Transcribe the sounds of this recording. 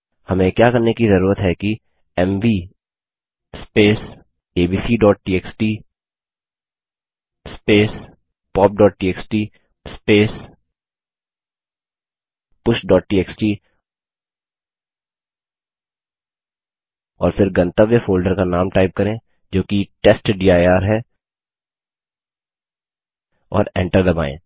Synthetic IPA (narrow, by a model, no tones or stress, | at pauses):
hɐmẽkjaːkɐɾnekizɐɾuːɾət̪ɦɛki | ɛmʋiː | speːs | eːbiːsiːɖɔːʈ̚ʈiːeːksʈiː | speːs | pɔːp̚ɖɔːʈ̚ʈiːeːksʈiː | speːs | pʊʃɖɔːʈ̚ʈiːeːksʈiː | ɔ̰ːɾfɪɾɡɐ̃nt̪əʋefoːlɖəɾkanaːmʈaːɪp̚kɐɾẽː | d͡ʒoːkiʈeːsʈɖiːaːaːɾɦɛː | ɔ̰ːɾɛ̰̃ːɳʈəɾd̪ɐba̰ːḛ̃ː